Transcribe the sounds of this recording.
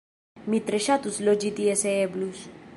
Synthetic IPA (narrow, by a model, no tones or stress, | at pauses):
mit̪ɾeʃat̪uslod͡ʒit̪ieseeblus